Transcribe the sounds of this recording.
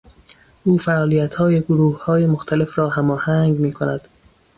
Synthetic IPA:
ʔuːfæʔɒːlijæt̪hɒːje̞ɡoɾuːhhɒːjemoxt̪ʰæle̞fɾɒːhæmɒːhæŋɡmiːkʰonæd̪̥

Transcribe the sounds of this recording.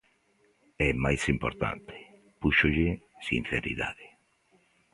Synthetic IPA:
ɛmajsimpoɾt̪a̰nt̪ʰe̥ | puʃoʎɪsin̟θeɾḭða̰ðe

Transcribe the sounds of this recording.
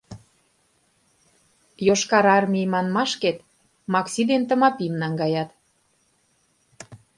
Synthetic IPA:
joʃkɑɾɑrmʲimɑnmɑʃket̪ | mɑksid̪ent̪ə̆mɑpimnɑŋɡɑjɑt̪

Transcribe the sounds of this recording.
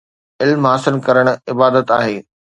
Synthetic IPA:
ɪlmɦaːsɪlkɐɾəɽ̃ʊɪbaːd̪ət̪aːɦeː

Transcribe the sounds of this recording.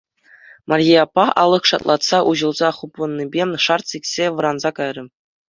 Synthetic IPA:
mʔɑrʲijɑpːɑɑ̰lˠːɤ̆χʂɑ̰t̪lˠɑt̪sɑʔuʑɤ̆lˠzɑχupːɤ̆nːibʲeʂɑrt̪sikʲsʲeʋɤ̆ɾɑnzɑkɑjrʲɤ̆

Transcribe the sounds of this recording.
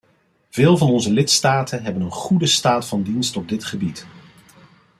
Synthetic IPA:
v̥ɪːlˠvɑnɔnzəlɪtstaːtʰənɦɛbənənχudəstaːtfɑndinstɔb̚dɪtχəbit

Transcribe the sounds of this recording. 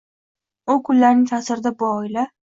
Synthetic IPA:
ʊkʰʊlːaɾnɪŋt̪ʰasɪɾɪd̪abʊɒɪla

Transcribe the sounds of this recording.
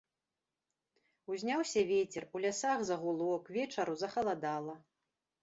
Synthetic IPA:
uzʲnʲawsʲɐvʲet͡sʲɛrulʲasaɣzɐɣulˠɔkvʲɛt͡ʂɐɾuzɐxɐlˠad̪alˠɐ

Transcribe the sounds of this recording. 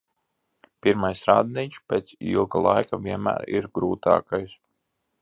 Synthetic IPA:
piɾmajsɾaːd̪niːt͡ʃpʲeːt̪sḭlˠɡalˠajkaviɛnmæ̰ːɾḭɾɡɾuːt̪ɑ̰ːkajs

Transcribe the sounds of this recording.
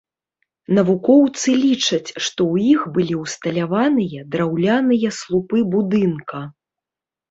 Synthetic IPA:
nɐvukɔwt̪sɨlʲit͡ʂɐt͡sʲʂt̪ɔwjixbɨlʲiwst̪ɐlʲavanɨjɐd̪ɾawlʲanɨjɐslˠupɨbud̪ɨnkɐ

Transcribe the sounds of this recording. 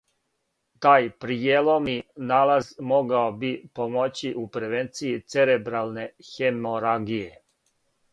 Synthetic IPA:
t̪aːjpɾijelominaːlazmo̞ɡaobipomot͡ɕiʔupɾʋent̪sijit̪seɾebɾalˠne̞xemoɾaɡije

